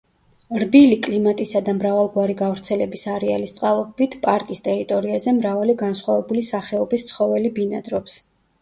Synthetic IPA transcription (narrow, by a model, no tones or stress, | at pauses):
ɾbilikʼlimat̪ʼisad̪amɾavalˠɡwaɾiɡavɾt̪sʰɛlɛbisaɾɛa̰list̪sʼqʼalˠɔbit̪ʰpʼaɾkʼist̪ʼɛɾit̪ʼɔɾiazɛmɾavaliɡansχwavɛbulisaχɛɔbist̪sʰχɔvɛlibinad̪ɾɔps